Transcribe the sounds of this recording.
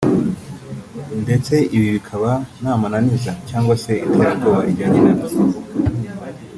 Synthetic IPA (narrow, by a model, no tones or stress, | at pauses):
nde̞t͡se̞ʔiβiβikʰaβanaːmananizacaːŋɡwase̞itʰaɾaɾɡoβaʔiɟaːɲenana